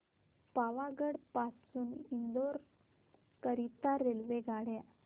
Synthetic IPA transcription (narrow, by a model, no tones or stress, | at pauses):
paʋaɡəɽpasuːnind̪oɾ | kəɾit̪aɾelʋeɡʱaɽja